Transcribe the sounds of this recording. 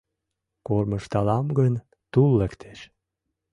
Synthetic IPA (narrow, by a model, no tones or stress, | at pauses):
korməʃt̪ɑlɑmɡən | t̪ulːəkt̪ʰe̥ʃ